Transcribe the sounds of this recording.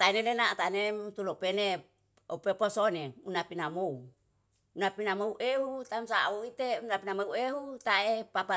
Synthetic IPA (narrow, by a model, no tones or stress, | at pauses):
t̪ainelenat̪anemt̪ulopene | opeposoneunapinamou | unapinamouʔeɦut̪amsauit̪eunapinamoueɦut̪aepapa